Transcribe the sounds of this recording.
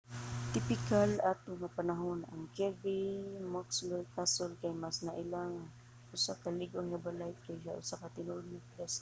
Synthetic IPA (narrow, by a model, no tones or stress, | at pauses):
t̪ɪpɪkalaːt̪oŋapanaɦona̰ŋkɛɾbɪmakslokasʊlkajmasnaʔɪlaŋaŋ | ʔʊsakalɪɡʊnŋabalajkajʃaʔʊsakat̪ɪnʊʔʊd̪̚napɾas